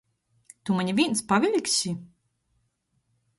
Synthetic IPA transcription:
t̪umaɲʲivʲiɛnspavʲilʲkʲsʲi

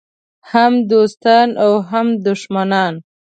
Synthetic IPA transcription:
hamd̪ost̪ɑnawɦamd̪ʊʃmanɑn

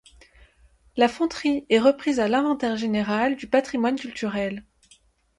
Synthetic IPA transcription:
lafɔ̃t̪χiɛʁəpχizalɛ̃vɑ̃t̪ɛʁʒeneʁald̪ypat̪χimwankʲylt̪yʁɛl

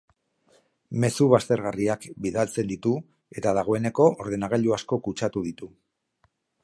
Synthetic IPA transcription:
me̞suβast̪e̞ɾɣariakbiðalt͡se̞nd̪it̪u | e̞t̪aðaɣ̞o̞e̞ne̞ko̞ʔoɾðe̞naɣaʎuasko̞kut͡ʃat̪uð̞it̪u

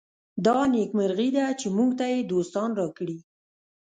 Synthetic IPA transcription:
d̪ɑnekmɪɾɣid̪at͡ʃemuɡt̪ajed̪ost̪ɑnɾɑkɽi

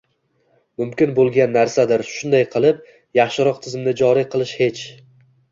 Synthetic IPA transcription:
mʊmkʲɪnbolˠɡʲanːaɾsad̪ɪɾʃʊnd̪ajqʰɨlˠɪp̚ | jɑχʃɪɾɒq̚t̪ʰɪzɪmnɪd͡ʒɒɾiqʰɨlˠɪʃhe̞t͡ʃ

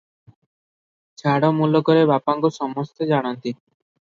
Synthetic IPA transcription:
t͡ʃʰaɽɔmulɔkɔɾebapaŋkosɔmɔst̪ɔd͡ʒaɽ̃ɔnt̪i

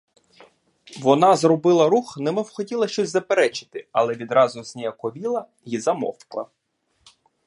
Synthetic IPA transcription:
ʋɔnɑzrɔbɪlˠɐɾuxnɛmɪwxɔtʲilˠɐʃt͡ʃɔsʲzɐpeɾɛt͡ʃɪ̥t̪ɪɐlˠɛʋʲid̪ɾɑzʊzʲnʲijɐkɔʋʲilˠɐ | jizɐmɔ̰fklˠɐ̰

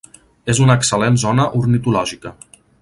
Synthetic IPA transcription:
ezunəːksəlenzɔnəʔuɾnit̪ulɔʒikə

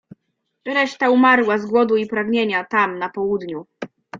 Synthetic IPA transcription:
ɾɛʂt̪aumaɾwazɡwɔd̪uipɾaɡɲeɲat̪amnapɔwud̪ɲu

